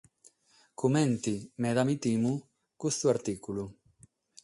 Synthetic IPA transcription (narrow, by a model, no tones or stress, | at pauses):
kʰumɛ̃nt̪imɛðamit̪imu | kust̪uaɾt̪ikulu